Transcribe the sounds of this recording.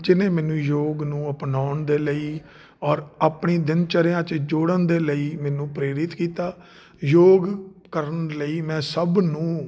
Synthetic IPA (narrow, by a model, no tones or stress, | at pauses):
d͡ʒɪnẽːmɛ̃ːnũːjoːɡnũːəpnaːʊɳd̪eːləiː | ɔːɾaːpɳiːd̪ɪnt͡ʃəɾjãːt͡ʃd͡ʒoːɽənd̪eːləiːmɛːnũːpɾeːɾɪt̪kiːt̪aː | joːɡkəɾənləiːmɛ̃ːsəbnũː